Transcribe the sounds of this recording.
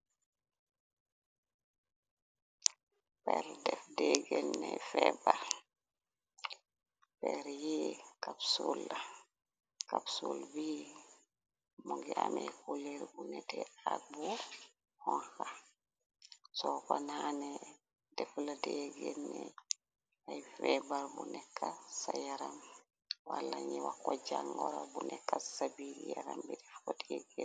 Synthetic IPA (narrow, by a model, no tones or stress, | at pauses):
pɛɾdɛfdeɡɛnːɛfɛba | pɛɾjikapsulːa | kapsulbi | moɡɛamɛkuleɾbunɛtɛabu | hɔnha | sɔkɔnanɛ | dɛfladɛɡɛnːɛ | ajfɛbaɾbunɛkːasajaɾam | walːaɲiwakːɔd͡ʒaŋɡɔɾabunɛkːasabiɾijaɾambidɛfkɔdɛɡɛ